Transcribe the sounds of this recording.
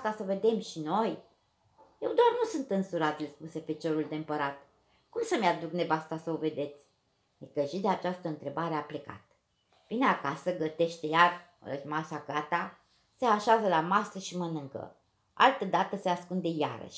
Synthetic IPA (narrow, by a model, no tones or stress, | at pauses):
t̪asəve̞d̪e̞mʃino̞j | je̞wd̪oarnusunt̪ɨnsuɾat̪ilspuse̞fet͡ʃo̞ɾuld̪eɨmpəɾat̪ | kumsəmʲad̪ukne̞vast̪asəove̞d̪e̞t̪sʲ | d̪ekəʒid̪eat͡ʃast̪əɨnt̪ɾe̞baɾe̞aple̞ka̰t̪̚ | vineakasəɡət̪e̞ʃt̪ejar | ə̰masaɡat̪a | se̞aʃazəlamasəʃimənɨŋkə̰ | a̰lt̪əd̪at̪əseaskund̪e̞ja̰ɾə̰ʃʲ